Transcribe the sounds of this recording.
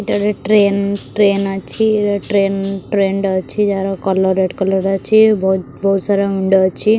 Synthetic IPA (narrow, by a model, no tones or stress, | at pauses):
iʈɐɾeʈɾeːnʈɾeːnɐt͡ʃʰːiʈɾeːnʈɾeːɳɖɐt͡ʃːid͡ʒ̪aːɾɐkɐlːɐɾeʈkɐlːɐɾɐt͡ʃːib | bɐusaːɾeuɳɖɐt͡ʃːi